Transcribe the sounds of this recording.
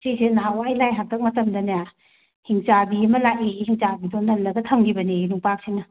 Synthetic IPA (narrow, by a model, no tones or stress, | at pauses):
sisenawajlajɦak̚tɐk̚mɐtɐmdɐnaja | hiŋt͡ʃabiɐmɐlakeɡihiŋt͡ʃabidonɐlɐɡɐtʰamɡibɐnenuŋpak̚sinɐ